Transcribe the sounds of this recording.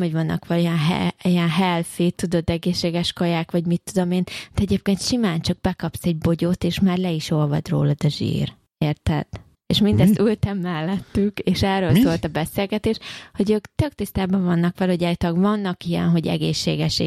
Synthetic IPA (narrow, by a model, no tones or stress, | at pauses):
moɟvɒnːɒ̰kʋɛlojɛnɦɛ̰ijɛnɦɛlfiːt̪ːud̪o̞d̪ɛɡeːʃːeːɡɛʃkojaːkʋɒɟmit̪ːud̪o̞meːnd̥̪ɛɛɟeːp̚keːnt̪ʃimaːnt͡ʃɒɡ̚bɛkɒpsɛɟ̚bo̞ɟot̪eːʃmaːrlɛiʃo̞lvɒ̰d̪ro̰ːlɒd̪ɒʒḭːr | eːrt̪ɛt̪ | ḛʃmind̪ɛst̪ylt̪ɛmːɛlːɛt̪ːykeːʃɛrːøːlsoːlt̪ɒbɛseːlɡɛt̪eːʃho̞ɟøːkt̪øk̚t̪ist̪aːbɒɱvɒnːɒkʋɛlɛhoɟaːjt̪ɒɡvɒnːɒkijɛ̰nɦo̞ɟɛ̰ɡḛːʃːḛːɡɛʃ